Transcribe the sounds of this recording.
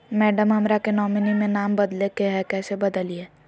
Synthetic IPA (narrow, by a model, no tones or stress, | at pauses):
mɛːɖəmɦɐmɾakenɔːmɪnimẽnaːmbɐd̪lekeɦɛkɛːsebɐd̪əlieː